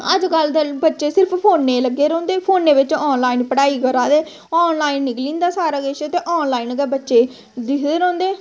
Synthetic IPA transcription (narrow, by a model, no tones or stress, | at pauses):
ə̰d͡ʒkəld̪ebətːʃeːsɪɾpʰpʰoːnːeːləɡːeːɾɔ̃ːnd̪eːpʰoːnːeːʋɪt͡ʃɔːnlaːinpəɽaːiːkəɾaːd̪eː | ɔːnlaːinːɪklĩːnd̪aːsaːɾaːɡeʃet̪eːʔɔːnlaːinɡɛbətːʃeː | d̪ɪkd̪eːɾɔ̃ːnd̪eː